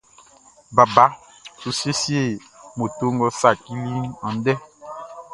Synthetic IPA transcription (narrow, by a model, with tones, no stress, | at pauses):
ba˨ba˨˦ | tu˨se˦si˦e˦˨mo˨to˦ŋɡɔ˦sa˦˨ki˦li˦nɔ̃˨n˦dɛ˦